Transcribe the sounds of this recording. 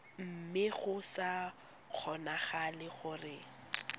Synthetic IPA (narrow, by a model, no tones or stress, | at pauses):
m̩mɪχʊsa | q͡χʰɔnaχalɪχʊrɪ